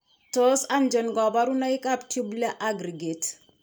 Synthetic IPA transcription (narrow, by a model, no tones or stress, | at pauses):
tosand͡ʒɔnɡɔbaɾunaikaptʰublaʔaɡɾiɡet